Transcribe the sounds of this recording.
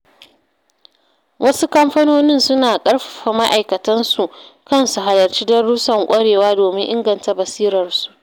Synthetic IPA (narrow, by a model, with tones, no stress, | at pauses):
wʔɐ˦su˦kɐ˦mɸɐ˦noː˦nɪ˦nsʊ˦naː˨kʼɐ˦ɽɸa˨ɸa˨ma˦ʔa˨jkɐ˨tɐ˦nsu˨ʔkɐ˦˨nsu˨ɦa˨lɐ˨rt͡ʃiː˦dɐ˦ɽuː˦sɐ˨ŋkʷʼɐ˦ɽeː˨waː˦doː˨mɪ˦ŋʔɪ˦ŋɡɐ˨nta˨bɐ˨siː˦ɾɐ˨rsu̥˨ʔʔ